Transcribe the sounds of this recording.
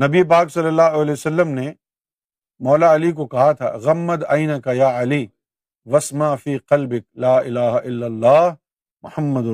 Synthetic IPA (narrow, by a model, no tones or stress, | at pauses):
nɐbiep̬aːksɐlːəlːaːɦoɐlɛːosɐlːəmne | mɔːlaɐlik̬okɐɦat̪ʰa̰ːɣɐmːɐd̪ɐɪnɐkɐjaːɐliː | ʋɐsmaʕfiːqɐlbɪk̚laːʔɪlaːɦaʔɪlːɐlːaːɦ | mʊhɐmːɐd̪